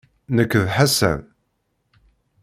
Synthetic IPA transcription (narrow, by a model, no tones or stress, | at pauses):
nəkːðħasæ̰m